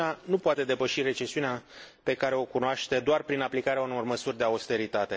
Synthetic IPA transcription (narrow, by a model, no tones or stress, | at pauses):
anupoat̪e̞d̪e̞pəʃire̞t͡ʃe̞siuneape̞kaɾe̞o̞kunoaʃt̪e̞d̪oarpɾinaplikaɾeaunlo̞rməsurʲd̪e̞aust̪e̞ɾit̪at̪e̞